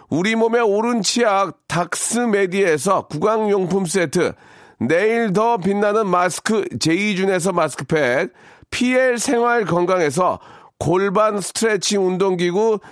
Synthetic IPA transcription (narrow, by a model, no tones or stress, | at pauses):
uɾimome̞oɾɯnt͡ɕʰiak̚tak̚s͈ɯme̞die̞s̬ʰʌkuɡaŋjoŋpʰums̬͈e̞tʰɯ̰ | ne̞iɭdʌp̬inːanɯnmasɯ̥kʰɯt͡ɕe̞id͡ʑune̞s̬ʰʌmaskʰɯpʰek̚pʰieɭsʰe̞ŋɦwaɭkʌŋɡaŋe̞s̬ʰʌ̰ | koɭbansʰɯ̥tʰɯɾet͡ɕʰiŋundoŋɡiɡu